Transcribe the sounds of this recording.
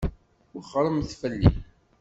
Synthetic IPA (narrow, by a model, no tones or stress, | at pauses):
ʊχəɾˤəmθfəlːḭn